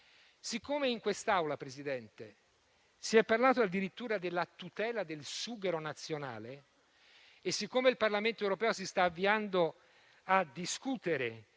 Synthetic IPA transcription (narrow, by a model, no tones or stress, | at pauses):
sikːoːmeiŋkwest̪awlapɾezid̪ɛnt̪e | siɛpːarlaːt̪oad̪iɾit̪ːuːɾad̪elːat̪ut̪ɛːlad̪elsuːɡeɾonat̪sːjona̰ːle | sːikːomeilparlament̪oewɾopɛːosist̪aːvːiand̪o | ad̪iskut̪eɾe